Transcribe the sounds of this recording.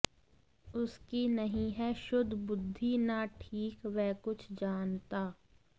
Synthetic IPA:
ʊskinɐɦĩɦɛʃʊd̪ʱbʊd̪ʱːinaʈʰiːkʋɛːkʊt͡ʃʰd͡ʒaːnt̪aː

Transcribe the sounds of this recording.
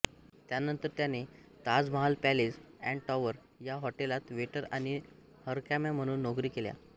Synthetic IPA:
t̪janənt̪əɾt̪jane | t̪ad͡zməɦalpælisɛ̃ɳɖʈɔʋəɾ | jaɦɔʈelat̪ʋeʈəɾañi | həɾkamjam̤əɽ̃ũːnːokɾiːkelja̰

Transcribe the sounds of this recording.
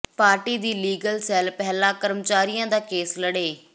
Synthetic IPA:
paːɾʈid̪iːliːɡəlsɛːlpɛɦlãkɐɾmt͡ɕaːɾijãd̪aːkeːslɐɽeː

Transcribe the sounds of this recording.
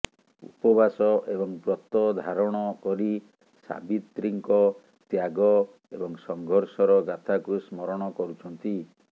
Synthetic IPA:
ṵpɔbasɔʔebɔŋbɾɔt̪ɔd̪ʱaɾɔɽ̃ɔkɔɾi | sa̰bit̪ːɾiŋkɔ | t̪jaɡɔ | ebɔŋsɔŋɡʱɔɾsɔɾɔɡat̪ʰakusmɔɾɔɽ̃ɔkɔɾut͡ʃʰɔnt̪i

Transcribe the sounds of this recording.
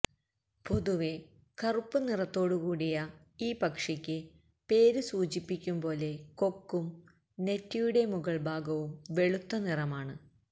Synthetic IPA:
po̞ðuʋe | kɐrupːɨnirɐt̪ːo̞ːɽukuːɽijɐ | iːpɐkʂɐkʲːɨ | pe̞ːɾɨsuːt͡ɕipːikʲːumpo̞ːle̞ko̞kːum | ne̞tːijuɽe̞muɣɐɭbʱaːɡɐʋumʋe̞ɭut̪ːɐnirɐmaːɳɨ

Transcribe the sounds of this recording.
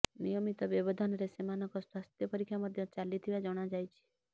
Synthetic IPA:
nijɔmit̪ɔbɔbɔd̪ʱɔnɔɾesemanɔkɔswast̪jɔpɔɾikʰjamɔd̪ʱjɔt͡ʃalit̪ʰiβad͡ʒɔɽ̃ad͡ʒajt͡ʃʰi̥

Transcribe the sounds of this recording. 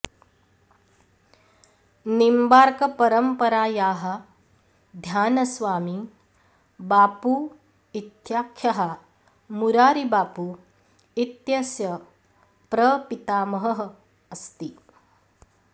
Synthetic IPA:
nimbaːɾkɐpɐɾəmpɐɾaːjaːɦɐ̆ | d̪ʱjaːnɐsʋaːmi | baːpu | it̪jaːkʰjɐɦɐ | muɾaːɾibaːpu | it̪jɐsjɐ | pɾɐpit̪aːmɐɦɐɦɐ | ɐst̪i

